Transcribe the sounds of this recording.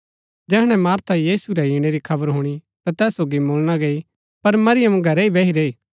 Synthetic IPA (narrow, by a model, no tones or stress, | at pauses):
d͡ʒɛːɦɽ̃ɛmaːɾt̪ʰajiːsuɾɛiːɽ̃eɾikʰɐbəɾɦʊɽ̃i | t̪at̪ɛːsːoːɡimoːlɽ̃aɡeːi | pɐɾmɐɾɪjəmɡʱɐɾɛibeɦiɾeːiː